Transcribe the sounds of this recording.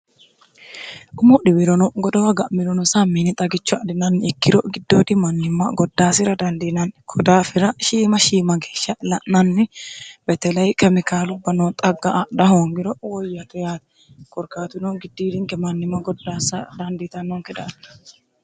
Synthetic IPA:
ʔʊmɔɗɪbɪɾɔnɔɡɔd̪ɔwɐɡɐʔmɪɾɔnɔsamːiːnɪt̪ʼɐɡɪt͡ʃːɔɐd̪ɪnɐnːɪɛkːɪɾɔɡɪd̪ːoːd̪ɪmɐnːɪmːɐ̰ɡɔd̪ːaːsɪɾɐd̪ɐnd̪inɐnkʰɔd̪aːfɪɾɐʃiːmɐʃiːmɐɡeːʃːɐlɐʔnɐnːɪbɛt̪ɛlɐjkʰɛmɪkaːlʊbːɐnɔːt̪ʼɐɡːɐd̪ɐɦoːŋɡɪɾɔwɔjːɐt̪ʊjaːt̪ɛ̥ | kɔɾkaːt̪ʊnɔɡɪd̪ːiːd̪ɪŋkɛmɐnːɪmːɐɡɔd̪ːaːsɐd̪ɐnd̪ɪt̪ɐnːɔŋkɛd̪aːt̪

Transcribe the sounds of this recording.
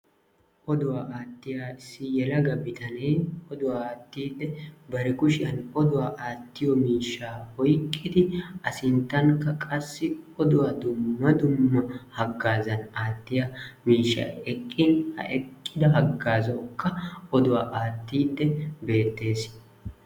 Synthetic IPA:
ʔɔd̪ʊwaːʔaːt̪ːɪjaːɪsːɪjɛlɐɡɐbɪt̪ʰɐnejɔd̪ʊwaːt̪ːiːd̪ːɛbɐɾɛkʊʃɪjɐnɔd̪ʊwaːʔaːt̪ːɪjɔmiːʃːaːhɔjkʼːɪd̪ɪʔɐsɪnt̪ːɐŋkɐkʼɐsːɪɔd̪ʊwaːd̪ʊmːɐd̪ʊmːɐhɐɡːaːzɐnaːt̪ːɪjamiːʃːa̰ːɛkʼːɪnhɐ̰ʔɛkʼːɪd̪ɐɦɐɡːaːzɐkːɐʔɔd̪ʊwaːʔaːt̪ːiːd̪ːɛbe̞ːt̪ːe̞ːs

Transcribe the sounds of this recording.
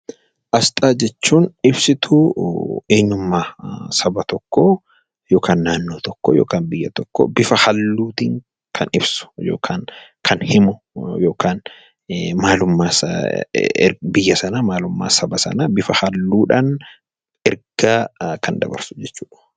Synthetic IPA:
ʔɐst̪ʼaːd͡ʒɛt͡ʃːuːnɪbsɪt̪ʰʊ | eːɲːʊmːaːsɐbɐt̪ɔkːoː | jo̞ːkaːnːaːnːoːt̪ɔkːoːjo̰ːkaːnbɪjːɐt̪ɔkːo̰ːbɪfɐhɐlːuːt̪iːŋ | kʰɐnɪbsʊ̥joːkʰaːŋ | kʰɐnhɪmʊ | jo̞ːkaːn | maːlʊmːaː | bɪjːɐsɐnamaːlʊmːa̰ːsɐbɐsɐ̰nabɪfɐhɐlːuːᶑaːn | ɛɾɡ̥aːkʰɐnd̪ɐ̰bɐ̰ɾsʊ̥d͡ʒɛt͡ʃːuːᶑɐ̥

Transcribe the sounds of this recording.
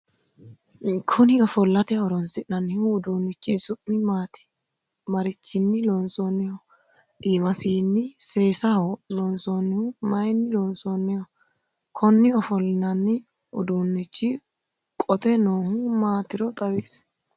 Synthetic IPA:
kʰɔnɪɔfɔlːɐt̪ɛɔɾɔnsɪʔnɐnːɪhʊːd̪uːnːɪt͡ʃːɪzʊʔːɪmaːt̪ɪ̥ | mɐɾɪt͡ʃːɪnːɪlɔnsoːnːɛjɔ | ʔiːmɐsiːnːɪse̞ːsɐhɔlɔnsoːnːɪhʊmɐjnːɪlɔnsoːnːɛjɔ | kʰɔnːɪɔfɔlːɪnɐnːɪ | ʊd̪uːnːɪt͡ʃːɪ | kʼɔt̪ɛnoːhʊmaːt̪ɪɾɔt̪ʼɐweːs

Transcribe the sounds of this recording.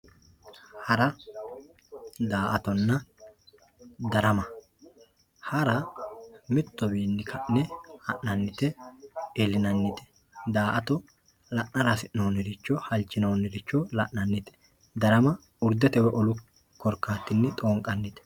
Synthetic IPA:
hɐɾɐ | d̪aːʔɐt̪ɔnːɐ | d̪ɐɾɐmɐ | hɐɾɐ | mɪt̪ːɔbiːnːɪkʰɐʔnɛhɐʔnɐnːɪt̪ɛɛlɪnɐnːɪt̪ɛ̥ | d̪aːʔɐt̪ɔ | lɐʔnɐɾasɪnonɪɾɪt͡ʃːɔhɐlt͡ʃːɪnonːɛɾɪt͡ʃːɔlɐʔnɐnːɪt̪ɛ̥ | d̪ɐɾɐmɐ | ʊɾd̪ɛt̪ɛwɛʔɔlʊ | kːɔɾkːaːt̪ːɪnːɪt̪ʼoːŋkʼɐnːɪt̪ɛ̥

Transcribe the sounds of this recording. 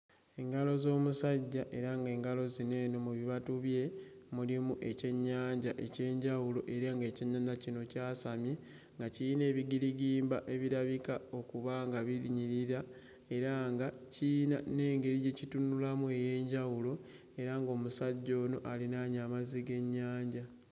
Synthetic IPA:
e̞ŋɡalo̞zo̞ːmusaɟːaʔe̞ɾaŋɡe̞ːŋɡalo̞zine̞ːno̞muβiβatuβje̞ | mulimuʔe̞ce̞ɲːaːɲɟaʔe̞ce̞ːɲɟawulo̞ʔe̞ɾaŋɡe̞ːciɲːanacino̞caːsamje̞ | ŋɡacine̞ːβiɡiɾiɡiːmbaʔe̞βiɾaβikao̞kuβaŋɡaβiɾiɲiɾiɾa | e̞ɾaŋɡacinane̞ːŋɡe̞ɾiɟe̞citunulamue̞je̞ːɲɟawulo̞ | e̞ɾaŋɡo̞ːmusaɟːo̞ːno̞ʔalinaːɲaːmaziɡe̞ɲːaːɲɟa

